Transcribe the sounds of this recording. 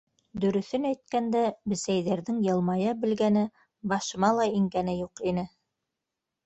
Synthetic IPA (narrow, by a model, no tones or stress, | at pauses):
d̪ɵ̆ɾɵ̆θɵnæjt̪̚kænd̪æbɘ̆sæjðæɾðɘŋjɤ̆lˠmɑjɤbɘ̆lɡænɘ | bɑʃɤ̆mɑlˠɑiŋɡænɘjuqinɘ